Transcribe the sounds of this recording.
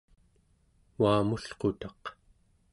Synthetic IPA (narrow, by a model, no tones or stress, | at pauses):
waːmuɬqot̪ɑq